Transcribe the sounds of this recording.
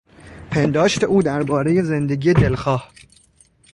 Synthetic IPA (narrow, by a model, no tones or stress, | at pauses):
pʰe̞nd̪ɒːʃt̪ʰe̞ʔuːd̪æɾbɒːɾe̞je̞zend̪eɡiːjed̪elxɒːh